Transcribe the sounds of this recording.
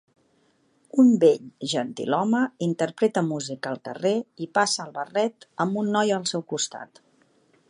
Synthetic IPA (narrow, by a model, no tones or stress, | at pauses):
umbeʎʒənt̪ḭlɔməint̪əɾpɾɛt̪əmuzikəːlˠkəreipasəːlˠβərɛt̪əmbunːɔjəlˠsɛwkust̪a̰t̪